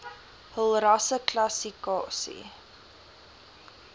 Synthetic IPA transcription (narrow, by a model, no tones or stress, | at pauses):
həlˠrɐsəklɐsikɑːsḭ